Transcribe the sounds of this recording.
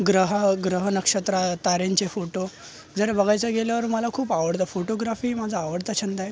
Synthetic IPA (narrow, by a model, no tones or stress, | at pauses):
ɡɾəɦəɡɾəɦənəkʂət̪ɾat̪aɾeɲt͡ɕefoʈo | d͡zəɾbəɡʱajt͡səɡeljaʋəɾməlakʰuːpaʋəɽt̪afoʈoɡɾafiːmad͡zʱaːʋəɽt̪at͡ɕʰind̪aɦe